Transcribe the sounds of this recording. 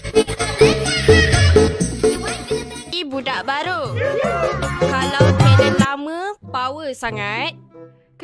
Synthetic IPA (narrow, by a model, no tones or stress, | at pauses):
ibudaʔbaɾu | kalawt̪adɛnlaməpawəsaŋat̪̚